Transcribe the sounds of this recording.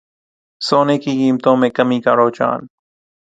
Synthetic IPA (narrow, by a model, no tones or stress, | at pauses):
soːneːkiːkiːmt̪õːmẽːkəmiːkaːɾoːt͡ʃa̰ːn